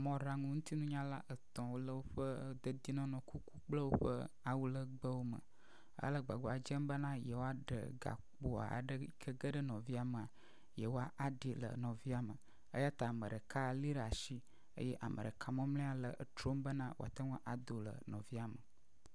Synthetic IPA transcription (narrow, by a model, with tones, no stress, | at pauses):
mɔ̃˨˦ɖa˨ŋũ˦ŋu˦t̪i˦nũ˦ɲã˦la˦ʔə˨t̪ɔ̃˨wo˦lə˦wo˦ɸə˦d̪ə˦d̪i˦nɔ̃˦nɔ̃˨ku˦ku˦k͡plə˦wo˦ɸə˦ | a˨wu˦lə˦ɡ͡bə˦wo˦mə̰̃˨ | ə̰˦lə˦ɡ͡ba˨ɡ͡bo˨a˨d͡ʒɛ˦mbə˦nã˦jɛ˨wo˦a˦ɖə̰˨ɡa̰˨k͡po˦a̰˨ɖə˦kʰə˦ɡə˦ɖə˦nɔ̃˨vi˦a˨mə˨a˨ | jɛ˨wo˦a˦ʔa˨ɖi˨lə̰˨nɔ̃˨vi˦a˨mə˨ | ə˦ja˦t̪a˨mə̃˨ɖə˨ka˦˨li˦ɖa˨ʃi˦ | ə̰˦jɛ˦ʔa˨mʔə̰˨ɖə˨kʰa˨mɔ̃˦mlɛ̃˦a˨lə˨ʔt̪ɾo˦mbə˦nã˦wo̰˨a̰˨t̪a˦ŋũ˦ʔa˨d̪o˨lə̰˨nɔ̃˨vi˦a˨mə˨